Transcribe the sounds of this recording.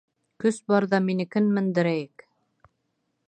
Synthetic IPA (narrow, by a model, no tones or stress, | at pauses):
kɵsbɑɾðɑminɘ̆kɘnmɘ̆nd̪ɘ̆ɾæjɘk